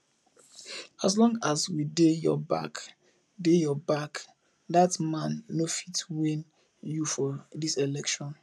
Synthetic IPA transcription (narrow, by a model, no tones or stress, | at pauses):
as̬lɔ̃ŋaswidejɔ̰ba̰k | dejɔbak | datmãnːofitwĩn | jufɔdiselɛkʃɔ̃n